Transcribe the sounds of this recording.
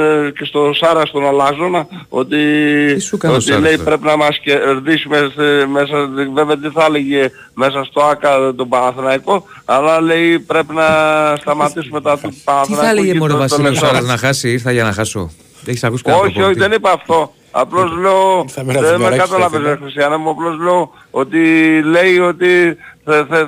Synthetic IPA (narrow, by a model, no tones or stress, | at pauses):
cest̪o̞sɐɾɐst̪onɐlɐzo̞nɐ | o̞̰t̪iisukɐot̪ile̞jpɾe̞pinɐmɐsceɾðisumesme̞s̬ɐve̞veɐðeθɐleʝe | me̞s̬ɐst̪o̞ɐkɐt̪obɐnɐθinɐiko̞ | ɐlɐle̞ipɾe̞pinɐst̪ɐmɐt̪isumet̪oɐft̪ut̪upɐnɐθinɐɐleʝeimoɾɐst̪oekssɐɐznɐxɐsiiɾθɐʝɐnɐxɐso̰ | eçisɐkuskoçioçiðenipɐːft̪o̞ | ɐ̰plo̞zle̞oðemekɐt̪ɐlɐvezmexɾist̪iɐnɐmuɐplo̞zle̞o | ot̪ile̞io̞t̪i | θ